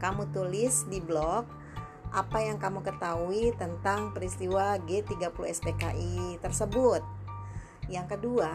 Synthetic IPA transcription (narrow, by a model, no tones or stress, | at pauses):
kamut̪ulɪsdiblɔk̚ | ʔapajaŋkamukət̪auit̪ənt̪aŋpəɾist̪iwaɡet̪iɡapuluɛspekaʔit̪ərsəbʊt̪̚ | jaŋkədua